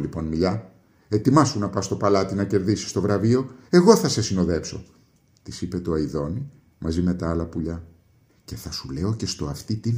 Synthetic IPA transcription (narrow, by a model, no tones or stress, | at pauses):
lipo̞nmiʎɐ | e̞t̪imɐsunɐpɐst̪o̞pɐlɐt̪inɐce̞ɾðisi̥st̪o̞vɾɐvio̞e̞ɣo̞θɐse̞sino̞ðe̞pso̞ | t̪isipe̞t̪oɐiðo̞ni | mɐzime̞t̪ɐɐlɐpuʎɐ | ce̞θɐsule̞oce̞st̪oɐft̪it̪i